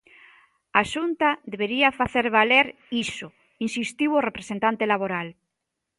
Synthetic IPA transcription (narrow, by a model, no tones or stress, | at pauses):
aʃunt̪aðeβeɾiafaθeɾβaleɾ | iso | insist̪iworepɾesent̪ant̪elaβoɾal